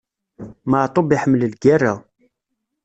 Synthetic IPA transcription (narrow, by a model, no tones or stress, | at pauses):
maʕt̪ˤobiħəmːləlɡærːa